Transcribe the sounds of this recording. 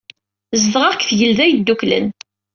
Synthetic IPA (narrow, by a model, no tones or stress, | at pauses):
zəðʁɑʁkθʝəlðæjəd̪ːuklə̰n